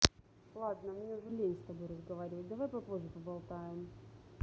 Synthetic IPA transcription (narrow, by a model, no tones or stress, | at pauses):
lˠad̪nəmnʲeʊʐɛlʲenʲsʲt̪ɐbo̞jrəzɡɐvaɾʲɪvətʲd̪ɐvajpɐplˠoʐəpəbɐlˠt̪ajɪm